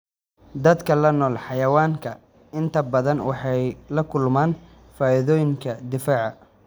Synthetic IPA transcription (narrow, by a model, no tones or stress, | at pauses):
d̪ɐd̪kʰɐlɐnɔːlħɑjɐwaːŋkʰɐ | ɪnt̪ʰɐbɐðɐnwɑ̰ħɑjlɐkʰʊlmaːn | faːɪðɔːjɪŋkʰɐd̪ɪfaːʕɑ